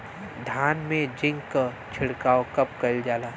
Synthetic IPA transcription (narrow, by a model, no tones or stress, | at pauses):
d̪ʱaːnmẽd͡ʒɪ̃ŋɡka | t͡ʃʰɪɽkaːokɐp̚kɐld͡ʒaːlaː